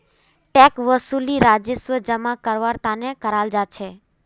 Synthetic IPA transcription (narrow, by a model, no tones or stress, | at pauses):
ʈɛkʋəsuliɾad͡ʒɪsʋəd͡ʒəmakəɾʋaɾt̪anekəɾald͡ʒat͡ʃʰe